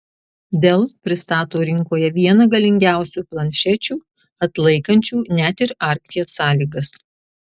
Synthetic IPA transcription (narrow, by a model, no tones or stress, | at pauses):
d̪ʲelˠpʲɾʲɪst̪ɑːt̪oːɾʲɪŋkoːjɛʋʲiɛnɐɡɐlʲɪŋʲɡʲæˑʊsʲuːplˠɐnʲʃʲɛt͡ʃʲuː | ɐt̪lˠɐɪkɐnʲt͡ʃʲuːnʲæt̪ɪɾɑːˑɾʲkt̪ʲiɛsɑːlʲiːɡɐs